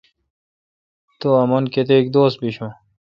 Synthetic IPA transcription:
t̪oɐmonket̪ek̚d̪oːs̚biɕũ

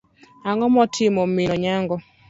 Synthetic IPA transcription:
aŋɔmɔtʰɪmɔmɪnɔɲaŋɡɔ

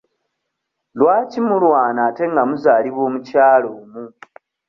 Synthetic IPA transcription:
lwaːcimulwaːnaːte̞ŋɡamuzaːliβo̞ːmucaːloːmu

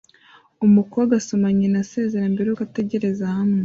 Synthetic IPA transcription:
umukowaɡasomaɲenase̞ːze̞ɾambeɾewuɡate̞ɟe̞ɾe̞zahame

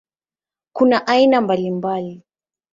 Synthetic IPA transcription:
kunaʔainambalimbali

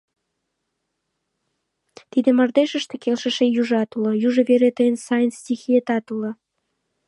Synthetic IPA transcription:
t̪id̪ĕmɑrd̪eʃə̆ʃt̪ekelʃə̆ʃejuʒɑt̪ulɤ̆juʒəβeɾet̪əjənsɑjənstʲixiet̪ɑt̪ulə̆

